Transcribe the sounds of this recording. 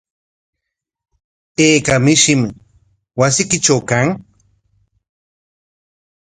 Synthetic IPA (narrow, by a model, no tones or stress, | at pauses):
eːkamɪʃɪmɪ | wasɪkɪt͡ʃawkaŋ